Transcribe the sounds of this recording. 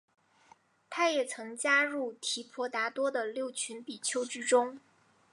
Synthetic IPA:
t̪ʰa˥jɛ˨˩t͡sʰɤ˧˥ŋt͡ɕja˥ɻu˥˩t̪ʰi˧˥pʰwɔ˧˥t̪a˧˥t̪wɔ˥d̪ə˨ljo˥˩ʊt͡ɕʰy˧˥npi˨˩t͡ɕʰjo˥ʊʈ͡ʂ̩˥ʈ͡ʂʊ˥ŋ

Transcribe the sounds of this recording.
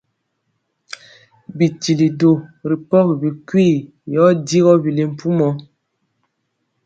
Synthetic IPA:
bi˨ti˨li˨do˨ɾi˨pɔ˦kbi˨kwiː˦˨ | jɔ˨˦di˦ɣɔ˦bi˨le˨m̩˨pu˦mɔ˦

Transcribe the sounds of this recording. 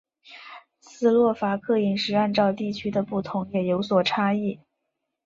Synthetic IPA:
sɹ̩˥˧lwɔ˥˩fa˧˥kʰɤ˥˩i˨˩ŋʂɻ̩˧˥a˥˧nʈ͡ʂɑ˥˧ʊt̪i˥˩t͡ɕʰy˥d̪ə˨pu˥˩t̪ʰʊ˧˥ŋjɛ˨˩jo˧˥ʊswɔ˨˩ʈ͡ʂʰa˥i˥˩

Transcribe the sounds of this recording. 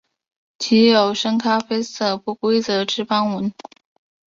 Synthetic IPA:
t͡ɕʰi˧˥jo˨˩ʊʂə˥ŋkʰa˥fe˥ɪsɤ˥˩pu˥˩kwe˥ɪt͡sɤ˧˥ʈ͡ʂɻ̩˥fɑ˥ŋwə˧˥n

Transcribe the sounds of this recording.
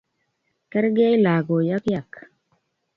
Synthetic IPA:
kɛ˦ɾɡe˦jla˨ɡo˨ja˦kja˨k

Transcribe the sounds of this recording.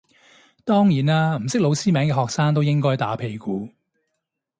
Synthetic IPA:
t̪ɔː˥ŋjiː˨˩naː˥m̩˨˩sɪ˥k̚lo˨˧wsiː˥mɛː˨˥ŋkɛː˧ɦɔː˨k̚saː˥ŋt̪̬o˥wjɪ˥ŋkɔː˥jt̪a̰ː˨˥pʰe˨˧jkuː˨˧

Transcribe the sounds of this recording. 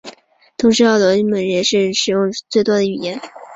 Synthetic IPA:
t̪ʰʊ˧˥ŋʂɻ̩˧˥˩ʊlwɔ˧˥mə˧˥nɻə˧˥nʂɻ̩˥˩ʂɻ̩˨˩jʊ˥˧ŋt͡swe˥˩ɪt̪wɔ˥d̪ə˨y˨˩jɛ˧˥n

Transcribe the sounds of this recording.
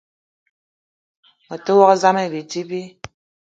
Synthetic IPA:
ɔ˨tə˦wɔ˦kza˦mɛ˦˨bi˨ti˦bi˦

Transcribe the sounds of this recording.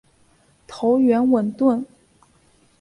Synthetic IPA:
t̪ʰo˧˥ʊɥɛ˧˥nwə˨˩nt̪wə˥˩n

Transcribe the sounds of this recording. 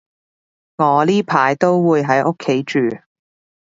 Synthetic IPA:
ŋɔː˨˧liː˥pʰaː˨˧jt̪o˥wwuː˨˧jɦɐ˨˥jʔo˥kʰːe˨˥jt͡ʃyː˨˩

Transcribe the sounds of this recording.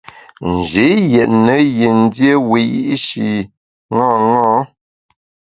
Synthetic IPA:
n̩˨d͡ʒe˨˦jɛ˨ʔnə˨˦je˨n˦dje˦we˨jḭ˦ʔʃi˨ | ŋɔ̃ː˦˨ŋɔ̃ː˦

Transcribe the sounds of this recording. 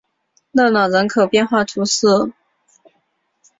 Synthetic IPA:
lɤ˥˩nɑ˨˩ʊɻə˧˥nkʰo˨˩ʊpjɛ˥˧nxwa˥˩t̪ʰu˧˥sɹ̩˥˩

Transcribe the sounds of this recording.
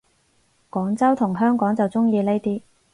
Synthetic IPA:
kɔː˨˥ŋt͡sɐ˥wt̪ʰʊ˨˩ŋɦœː˥ŋkɔː˨˥ŋt͡sɐ˨wt͡sʊ˥ŋjiː˧le˥jt̪iː˥

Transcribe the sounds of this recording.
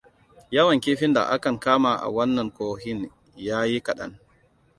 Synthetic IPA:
jɐ˦wɐ˨ŋkʲeː˦ɸɪ˦nda̰˨ʔa˦kɐ˨ŋkaː˦ma˨ʔa̰˨wɐ˦nːɐ˨ŋkoː˦hɪ˦n | jaː˦ji˦kɐ˨ɗɐ̰˦n

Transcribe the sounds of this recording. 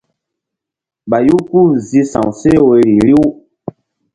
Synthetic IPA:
ɓa˨ju˦ku˦zi˦sã̰˨wse˦˨we˨ɾi˨li˦w

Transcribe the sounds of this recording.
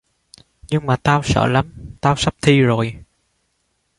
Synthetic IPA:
ɲɨ˧ŋmaː˨˩t̪aː˧wsə̰ː˧˩la˨˦mt̪aː˧wsa˦˥p̚t̪ʰi˧zo˨˩j

